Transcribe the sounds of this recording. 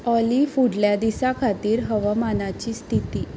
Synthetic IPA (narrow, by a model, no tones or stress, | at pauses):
ɔlifuɽljad̪isakʰat̪iːɾɦəʋəmanat͡ɕiːst̪ʰit̪iː